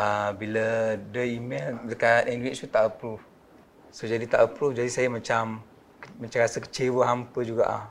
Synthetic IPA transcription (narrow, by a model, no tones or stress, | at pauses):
əbilədəimɛldəkat̪ɛndwɛkst̪ut̪aʔəpɾuf | sod͡ʒadit̪aʔəpɾufd͡ʒadisajəmãt͡ʃam | mat͡ʃamɾasəkə̥t͡ʃewəɦampəd͡ʒuɡa̰ʔa̰